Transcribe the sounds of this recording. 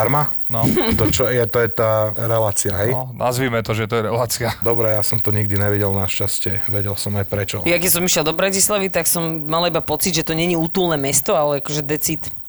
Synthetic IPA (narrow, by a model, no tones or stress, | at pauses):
aɾma | nɔt̪ɔt͡ʃɔjɛt̪ɔjɛt̪aːɾɛlaːt͡siaɦɛjnɔnʔa̰zʋiːmɛt̪ɔʒɛt̪ɔjɛɾɛlaːt͡siad̪ɔbɾɛjasɔmt̪ɔɲiɡ̚d̪iɲɛʋiɟɛlnaʃcascɪɛʋɛɟɛlsɔmajpɾɛt͡ʃɔjakɛs̬ɔmiʃjɛlˠd̪ɔbɾacislaʋit̪aksɔmːalaibapɔt͡sid̪ʒɛt̪ɔɲɛɲiuːt̪uːlˠnɛmɛst̪ɔalɛakɔʒɛd̪ɛt͡sit̪